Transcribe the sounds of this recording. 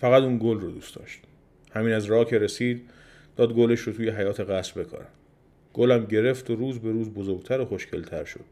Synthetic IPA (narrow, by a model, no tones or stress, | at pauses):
fæɣæt̪uːnɡolrod̪uːsd̪ɒ̰ːʃt̪ | hæmiːnæzrɒːkʰeɾesiːd̪ | d̪̥ɒːd̪̚ɡoleʃɾot̪ʰuːjeɦæjɒːt̪ʰe̞ɣæsbe̞kʰɒ̰ɾæ̰m | ɡ̥olæmɟe̞ɾeft̪ʰoɾuːzbe̞ɾuːzbozoɾɡt̪ʰæɾoxoʃcʰelt̪ʰæɾʃo̰d̪̥